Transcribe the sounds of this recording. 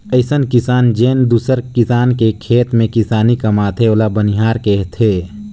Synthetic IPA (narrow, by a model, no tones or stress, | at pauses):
əɪsənkɪsaːnd͡ʒeːnd̪uːsəɾkɪsaːnkekʰeːt̪mẽkɪsaːnikɐmat̪ʰeoːlabəniɦaːɾkeɦt̪ʰeː